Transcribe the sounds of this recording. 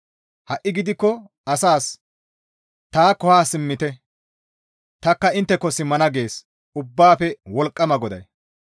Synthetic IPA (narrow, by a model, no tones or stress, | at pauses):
hɐʔːɪɡɪd̪ɪkːɔ | ɐsaːs | t̪aːkɔhaːsɪmːɪt̪ɛ | t̪ɐkːɐɪnt̪ːɛkːɔsɪmːɐnɐɡe̞ːs | ʊbːaːfɛwɔlkʼːɐmɐɡɔd̪ɐ̰j